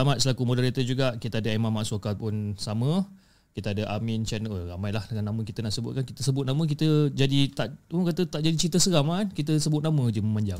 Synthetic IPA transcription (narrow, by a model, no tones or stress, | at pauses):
amat̪̚səlakumodəɾit̪əd͡ʒuɡaʔkit̪əadəemamaʔsokapʊnsamə | kit̪əadəʔamɪnt͡ʃɛnəɾamajlahəŋanamə̃kit̪ənaʔsəbʊt̪̚kankit̪əsəbʊt̪̚namə̃k̬it̪əd͡ʒadit̪aʔkat̪ət̪aʔd͡ʒadit͡ʃint̪̬əsəɾamankit̪̬əsəbʊt̪̚namə̃diməmaɲd͡ʒaŋ